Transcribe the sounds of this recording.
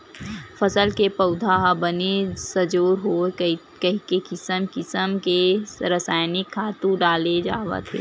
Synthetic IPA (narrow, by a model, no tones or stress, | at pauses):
fʰəsəlkepəʊd̪ʱaɦbənesəd͡ʒoːɾɦo | kɐɦikekɪsəmkɪsəmkeɾəsaːjnɪkʰːaːt̪ũɖaːled͡ʒaːʋə̰t̪ʰḛː